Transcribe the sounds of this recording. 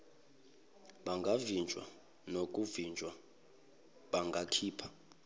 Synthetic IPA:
ɓaŋɡʱavind͡ʒʱwa̰ | nok̬ʼuvind͡ʒʱwa | ɓaŋɡʱakʰiːpʰḁ

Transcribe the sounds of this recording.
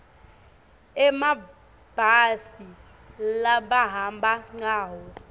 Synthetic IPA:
ɛma | b̥ʱasi | laɓaɦambʱaŋ͡ǀaːɦɔ

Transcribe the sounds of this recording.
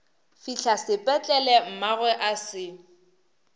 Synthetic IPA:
fiɬʰasɪpʼɛt͡ɬʼɛlɛm̩maɣwɛʔasɪ

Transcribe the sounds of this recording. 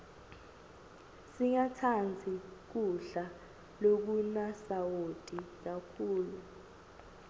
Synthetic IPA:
siŋatʰand͡zʱik̬uɬa | lok̬unasawod̥ʼʱik̬akʰuːlu

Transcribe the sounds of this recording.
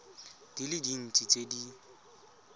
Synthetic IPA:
d̥ilɪdin̩t͡sʼit͡sʼedi

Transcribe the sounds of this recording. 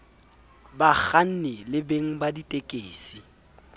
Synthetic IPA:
bak͡xan̩nɪlɪbeŋ̩baditʼekʼeːsi

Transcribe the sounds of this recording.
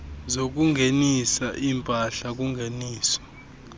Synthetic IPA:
zok̬ʼuŋɡʱenisaʔimpʼaɬak̬ʼuŋɡʱeniːsɔ̥

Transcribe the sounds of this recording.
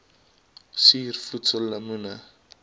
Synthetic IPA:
siːrfutsəlːamuna

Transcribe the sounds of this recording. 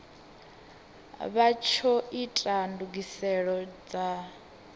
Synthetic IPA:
βat͡ʃʰɔitʼanduɡisɛɺɔd͡za

